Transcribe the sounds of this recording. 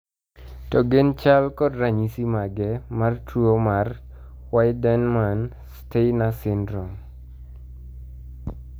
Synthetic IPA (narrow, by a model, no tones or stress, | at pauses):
tɔɡent͡ʃalkɔdɾaɲisimaɡɛmartuomar | wajdɛnman | stejnasɪndɾɔ